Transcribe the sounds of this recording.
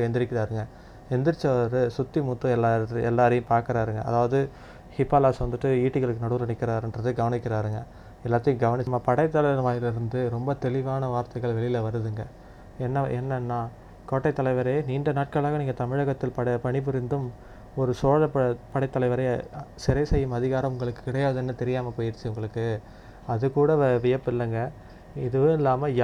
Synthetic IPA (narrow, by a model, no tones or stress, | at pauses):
ɛnd̪ɪɾɪkːɪɾaːɾɯŋɡɐ | ɛnd̪ɪɾɪt͡ʃːɐɐɾɯsʊt̪ːimuːt̪ːɯ̃ɛlːaːɛlːaːɾɐjʊ̃mpaːɾkɪɾaːɾɯŋɡɐʔɐ̰ðaːʋɐðɯ | hɪpːaːlaːsʋɐnd̪ɯʈːɯiːʈːɯɣɐɭɯkːɯnɐɽɯʋlɐnɪkːɪɾaːɾɛndrɐðɯɡɐʋɐnɪkʲːɪɾaːɾɯŋɡɐ | ɛlːaːt̪ːɐjʊ̃ɡɐʋɐnɪt͡ʃːmːapɐɽɐɪt̪ːɐlɐɐɾʋaːjɪlɪɾɯnd̪ɯɾɔmbɐt̪ɛɭɪʋaːnɐʋaːɾt̪ɐɪɣɐɭʋɛɭɪjɪlɐʋɐɾɯðɯŋɡɐ | ɛnːɐɛnːɐnːaː | koːʈːɐɪt̪ːɐlɐɪʋɐɾɐjniːɳɖɐnaːʈ̚kɐɭaːɣɐniːŋɡɐt̪ɐmɪɻɐɣɐt̪ːɪlpɐpɐɳɪp̬ʊɾɪnd̪ɯm | ɔɾɯsoːɻɐpɐpɐɽɐɪt̪ːɐlɐɪʋɐɾɐjɐsɪɾɐɪsɛjːɯmɐðɪɣaːɾɐʊŋɡɐɭɯkːɯ̥kːɪɽɐjaːðɛnːɯt̪ɛɾɪjaːmɐpoːjɪɾt͡ʃːɯʊŋɡɐɭɯkːɯ | ɐðɯkuːɽɐʋɪjɐpːɪlːɐŋɡɐ | ɪðɯʋɯ̃ɪlːaːmɐj